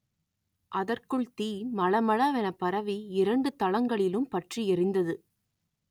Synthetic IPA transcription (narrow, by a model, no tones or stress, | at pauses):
ʔɐðɐrkɯɭt̪iːmɐɭɐmɐɭaːʋɛnɐpɐɾɐʋiɪɾɐɳɖɯt̪ɐlɐŋɡɐɭɪlɯmpɐʈriɛɾɪnd̪ɐðɯ